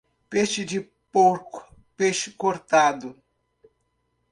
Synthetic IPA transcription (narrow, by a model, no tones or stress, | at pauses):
peʃɪd͡ʒɪ | poɾkʊ̥ | peʃɪ̥koɾt̪ad̪ʊ